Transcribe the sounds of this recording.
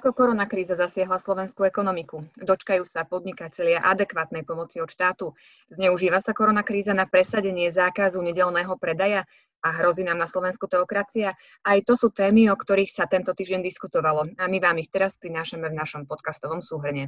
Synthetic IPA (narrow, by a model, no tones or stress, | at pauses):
akɔkɔɾɔnakɾiːzazasɪaɦlaslɔʋɛnskuɛkɔnɔmikud̪ɔt͡ʃkajuːsapɔd̪ɲikacɛlɪaʔad̪ɛkʋaːt̪̚nɛjpɔmɔt͡siɔt̪ʃt̪aːt̪u | zɲɛuʒiːʋasakɔɾɔnakɾiːzanapɾɛsaɟɛɲɪɛzaːkazuɲɛɟɛlnɛːɦɔpɾɛd̪aja | aɦɾɔziːnaːmnaslɔʋɛnskut̪ɛɔkɾat͡sia | ajt̪ɔsuːt̪ɛːmiɔkt̪ɔɾiːxsat̪ɛnt̪ɔt̪iːʒɟɛnd̪iskut̪ɔʋalɔamiʋaːmixt̪ɛɾaspɾinaːʃamɛvnaʃɔmpɔt̪kast̪ɔʋɔmsuːɦr̩ɲɛ